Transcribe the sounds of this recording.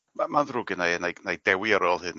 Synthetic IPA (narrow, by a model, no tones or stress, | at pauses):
mamanðrʊɡɨnajnejnejdɛwiaɾɔːlˠhɨn